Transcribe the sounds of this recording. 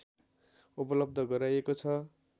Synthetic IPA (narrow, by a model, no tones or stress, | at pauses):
upʌlʌb̚d̪ʱʌɡʌɾajekot͡sʰʌ